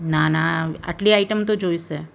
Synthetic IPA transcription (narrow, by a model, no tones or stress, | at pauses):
nanaɐ̰ʈliaːɪʈəmt̪od͡ʒoːise